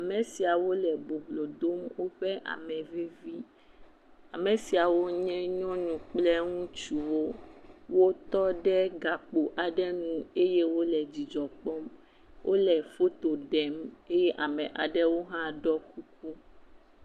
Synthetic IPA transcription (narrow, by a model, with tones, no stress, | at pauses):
a˨mɛ̃˨si˨a˨wo˦lɛ˨bo˨blo˨d̪o˦mwo˦ɸɛ˦ʔa̰˨mɛ̃˨ve˦vi˦ | a˨mẽ˨si˨a˨wo˦ɲɛ̃˦ɲɔ̃˦ɲũ˨k͡plɛ˦ŋũ˦t͡ʃu˨wo˦wo˦t̪ɔ˦ɖɛ˦ɡa˨k͡po˨ʔa˨ɖɛ˦nũ˦e˦je˦wo˦lɛ˨d͡ʑi˨d͡ʒɔ˨k͡pɔ˦m | wʔo˦lɛ˨fo˦t̪o˨ɖɛ˨me˦jɛ˦ʔa˨mɛ̃˨ʔa̰˨ɖɛ˦wo˦ɦã˦ɖɔ˦ku˦k̚u˦